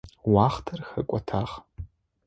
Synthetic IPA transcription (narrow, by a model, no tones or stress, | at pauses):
wɑːχtʰɐrxɐkʷʼɔtʰaːʁ